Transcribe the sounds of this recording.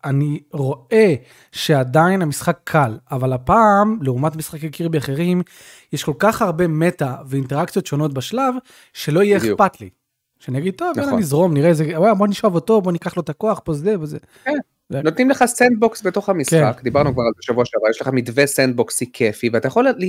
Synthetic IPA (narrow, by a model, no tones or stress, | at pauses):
aniʁo̞ʔe̞ | ʃe̞ad̪ainamisχakʰːalavalapaːmleumatmisχakakiʁbeaχeʁim | jeʃko̞lkaχhaʁbemetaveinteʁaktt͡sjo̞t̪ʃo̞no̞t̪baʃlav | ʃe̞lo̞ijeepat̪lḭ | ʃeanieɡid̪̚t̪ovvneanizʁo̞mniʁezewajabo̞aniʃoavoto̞bonikaχlo̞t̪ako̞aχbozdeboze | ken | not̪nimleχasend̪̚boksbeto̞χhamisχa̰kd̪ibaʁnukvaʁalzeʃavuaʃaavajeʃleχamidvesend̪̚boksikʰefiveat̪ajaχo̞lli